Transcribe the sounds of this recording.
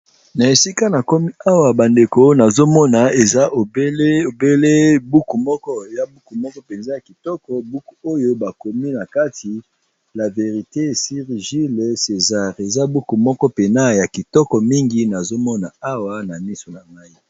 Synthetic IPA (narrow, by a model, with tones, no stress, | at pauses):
na˨e˨si˦ka˦na˨ko˦mi˦a˦wa˨ba˨nde˨ko˨˦na˨zo˦mɔ˦na˨e˨za˦ʔo˨be˦e˦o˨be˦le˦bu˦ku˨mɔ˦kɔ˦ja˨bu˦ku˨mɔ˦kɔ˦pe˨nza˦ja˨ki˨tɔ˦kɔ˨bu˦ku˨o˦jo˦ba˨ko˨mi˦na˨ka˦tʰi˨ | la˨ve˨ʁi˨te˦si˦ʁʒi˦le˨se˨za˦ʁe˨za˦bu˦ku˨mɔ˦kɔ˦pe˨na˦ja˨ki˨tɔ˦kɔ˨mi˦ŋɡi˦na˨zo˦mɔ˦na˨a˦wa˨na˨mi˦so˨na˨ma˦i˦